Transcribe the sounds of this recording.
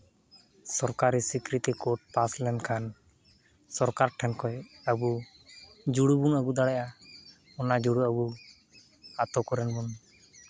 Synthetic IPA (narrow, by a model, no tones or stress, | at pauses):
sɔɾkaɾisikɾit̪ikɔʈ̚paslɛnkʰan | sɔɾkaɾʈʰɛnkɔjəbu | d͡ʒuɽubunəɡud̪aɽɛʔa | ɔnad͡ʒuɽuəbu | at̪ɔkɔɾɛnbun